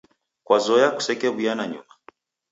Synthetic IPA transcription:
kwazɔjaku̥sɛkɛβujanaɲṵma

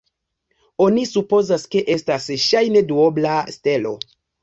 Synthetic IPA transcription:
onisupo̞zaske̞ʔe̞stasʃajne̞duoblaste̞lo̞̰

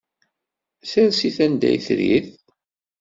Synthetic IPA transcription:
θæɾsiθænd̪æ̰jθɾḭθ

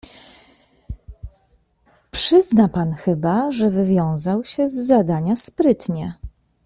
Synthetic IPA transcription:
pʂɘznapanxɘbaʐɛvɘvʲjɔ̃w̃zawɕɛzːad̪aɲaspɾɘt̪ɲɛ

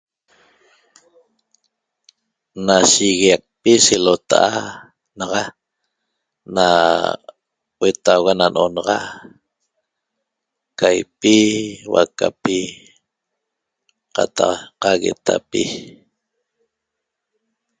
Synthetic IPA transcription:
naʃiɣiaq̚piselot̪aʔa | nɑʁɑ | na | wet̪awɣananʔonɑʁɑʔ | kajpiwa̰kapi | qɑt̪ɑqqaɣḛt̪ʰa̰pi

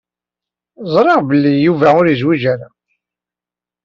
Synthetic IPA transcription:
zˤɾˤeʁbəlːijuvæʊɾizwid͡ʒaɾa

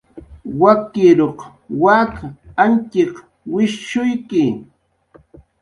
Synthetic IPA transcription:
wakɪɾoq | wakant͡ʃɪq | wɪʃʃʊjkɪ

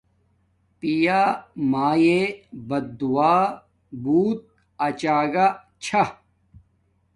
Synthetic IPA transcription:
pijaːmaːjebɐd̪d̪uwaː | buːt̪̚ | ɐt͡ɕaːɡa | t͡ɕʰɐ

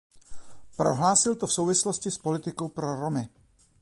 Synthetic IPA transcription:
pɾo̰ɦlaːsɪlt̪ofsowvɪsloscɪspo̞lɪt̪ɪkowpɾoɾomɪ

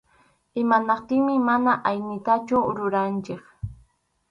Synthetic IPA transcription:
ɪmanɑqt̪ɪŋmɪmanaʔajnɪt̪at͡ʃʊɾʊɾant͡ʃɪk

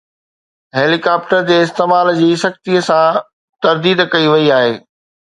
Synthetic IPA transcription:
ɦeːlikaːp̚ʈəɾd͡ʑeːɪst̪eːmaːld͡ʑiːsɐxt̪iəsã | t̪ɐɾd̪iːd̪kɐiʋɐiaːɦeː

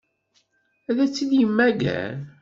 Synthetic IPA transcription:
æðæt͡sːiðjəmːæɡæ̰n

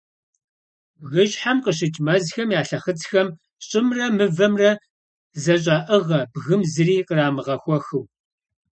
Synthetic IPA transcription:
ɣɨʒħamqəɕɪt͡ʃʼmɐzxɐmjaːɬɐχət͡sxɐm | ɕʼɪmrɐmɨvɐmrɐ | zɐɕ̬ʼaːʔəʁɐbɣɨmzɨriːqəraːmɨʁɐxʷɔxɨw

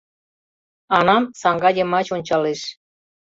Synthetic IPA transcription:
ɑnɑmsɑŋɡɑdʲĕmɑt͡ɕonʲt͡ɕɑleʃ

